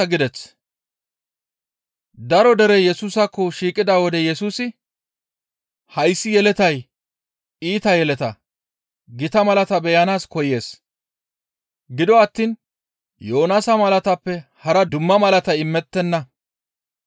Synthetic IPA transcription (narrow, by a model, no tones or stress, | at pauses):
ɐɡɪd̪ɛt͡s | d̪ɐɾɔd̪ɛɾɛjɛsusɐkːɔʃiːkʼɪd̪aːwɔd̪ɛjɛsuːsɪ | hɐjsːɪjɛlɛt̪ɐj | ʔiːt̪ɐjɛlɛt̪ɐ | ɡɪt̪ɐmɐlɐt̪ɐbɛjɐnaːskɔje̞ːs | ɡɪd̪ɔɐt̪ːiːn | jo̞ːnaːsɐmɐlɐt̪ɐpːɛhɐɾɐd̪ʊmːɐmɐlɐt̪ɐɪmːɛt̪ːɛnːɐ